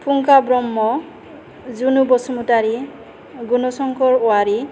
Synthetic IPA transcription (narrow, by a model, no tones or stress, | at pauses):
pʰuŋkabɾɔmːɔ | zunubɔsɔmutaɾi | ɡunɔsɔŋkɔɹʊaɾi